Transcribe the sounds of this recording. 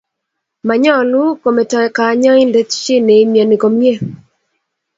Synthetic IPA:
ma˨ɲɔ˦˨lu˦ko˨mɛ˨tɔ˨ɛ˨ka˨˦ɲɔ˦ɪ˦nde˦tt͡ʃɪ˦ne˨i˦mje˨nɪ˨ko˨m˦e˦˨

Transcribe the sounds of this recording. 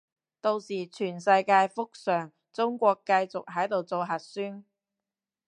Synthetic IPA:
t̪o˧wsiː˨˩t͡ʃʰyː˨˩nsɐ˧jkaː˧jfʊ˥k̚sœː˨˩ŋ | t͡sʊ˥ŋkʷɔː˧kːɐ˧jt͡sʊ˨k̚ɦɐ˨˥jt̪o˨wt͡so˨˧wɦɐ˨˩t̚syː˥n

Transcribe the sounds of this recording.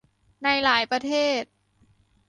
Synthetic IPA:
na˧jlaː˩˦jpɾa˧t̪ʰeː˥˩t̪̚

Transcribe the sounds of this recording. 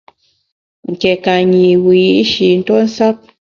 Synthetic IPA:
ŋ̩˨kɛ˨ka˨ɲi˨wi˨i˦ʔʃi˨n̩˦tɔ˦n̩˦sa˦p̚

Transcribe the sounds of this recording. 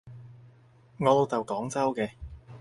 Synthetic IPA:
ŋɔː˨˧lo˨˧wt͡sɐ˨wkɔː˨˥ŋt͡sɐ˥wkɛː˧

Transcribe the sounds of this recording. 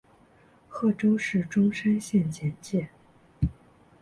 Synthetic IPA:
xɤ˥˩ʈ͡ʂo˥ʊʂɻ̩˥˩ʈ͡ʂʊ˥ŋʂə˥nɕjɛ˥˧nt͡ɕjɛ˥˧˩nt͡ɕjɛ˥˩n

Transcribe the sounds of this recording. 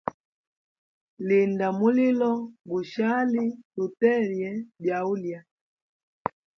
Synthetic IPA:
li˨nda˨mu˦li˦lɔ˦ɡu˨ʃa˦li˦lu˨tɛ˦˨ɾjɛ˨˦bja˨u˦lja˨

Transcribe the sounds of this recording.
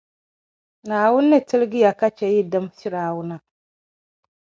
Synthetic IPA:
naː˨wʊ˦nː˦ɨ˦tɨ˦lɪ˦ɡɨ˦ja˨ka˦t͡ʃɛ˨ji˦dɨ˦msɪ˦ɾaː˨˦wʊ˦na˦

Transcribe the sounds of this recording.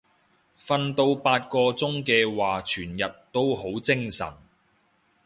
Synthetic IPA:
fɐ˧nt̪o˧wpaː˧t̚kɔː˧t͡sʊ˥ŋkɛː˧waː˨˩t͡ʃʰyː˨˩njɐ˨t̚t̪o˥wɦo˨˥wt͡sɪ˥ŋsɐ̰˨˩n

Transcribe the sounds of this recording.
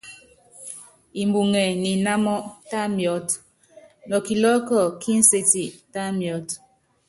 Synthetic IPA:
i˨mbu˨ŋɛ˨ni˨na˦mɔ˦ta˦mjɔ˦t | nɔ˨ki˨lɔ˦kɔ˦˨ki˦n̩˦se˦ti˨ta˦mjɔ˦t

